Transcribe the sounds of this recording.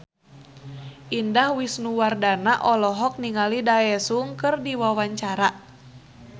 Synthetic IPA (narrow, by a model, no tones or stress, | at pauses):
ʔindahwisnuwardanaʔɔlɔɦɔk̚niŋalidaɛsuŋkɨrdiwawaɲt͡ʃaɾa